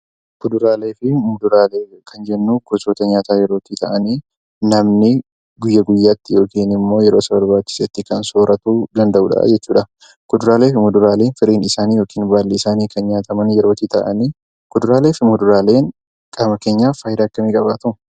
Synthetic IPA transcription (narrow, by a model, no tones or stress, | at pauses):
kʊd̪ʊɾaːle̞ːfɪmʊd̪ʊɾaːleːkɐnd͡ʒɛnːuːɡ̥ɔsoːt̪ɐɲaːt̪aːjɛɾo̞ːt̪ɪt̪ɐʔɐniː | nɐmnɪ | ɡʊjːɐɡʊjːaːt̪ːɪjo̞ːkiːnɪmːo̞ːjɛɾo̞ːsɐbɐɾbaːt͡ʃːɪ̥seːt̪ːɪkɐnsoːɾʔɐt̪uːd̪ɐnd̪ɐʔṵːᶑɐ̰ʔd͡ʒɛt͡ʃːuːᶑɐ | kʊd̪ʊɾaːle̞ːfɪmʊd̪ʊɾaːle̞ːnfɪɾiːnɪsaːniːjo̞ːkiːnbaːlːiɪsaːniːkɐnɲaːt̪ɐmɐnjɛɾo̞ːt̪it̪ɐ̰ʔɐ̰niː | kʊd̪ʊɾaːle̞ːfɪmʊd̪ʊɾaːle̞ːŋ | kʼaːmɐke̞ːɲːaːfaːjd̪aːɐkːɐmiːkʼɐbaːt̪ʊ